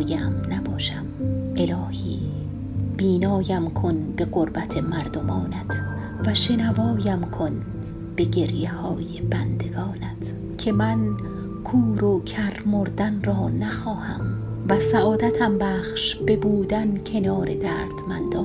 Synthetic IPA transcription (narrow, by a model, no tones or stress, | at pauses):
jæmnæbɒːʃæme̞lɒːhḭː | b̥iːnɒːjæmkʰonbe̞ɣoɾbæt̪ʰe̞mæɾd̪omɒːnæt̪ʰ | væʃe̞nævɒːjæmkʰon | b̥e̞ɡe̞ɾjehɒːje̞bænd̪e̞ɡɒːnæt̪ʰ | cʰe̞mæn | kʰuːɾokʰæɾmoɾd̪ænrɒːnæxɒːhæ̰mvæsæʔɒːd̪æt̪ʰæmbæːχʃb̥e̞buːd̪æncʰe̞nɒːɾe̞d̪æːɾd̪̥mænd̪ɒː